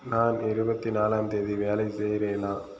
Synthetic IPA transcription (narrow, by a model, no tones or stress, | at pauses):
naːnɪɾɯbɐt̪ːinaːlaːmt̪eːðiʋeːlɐɪsɛjɾeːnaː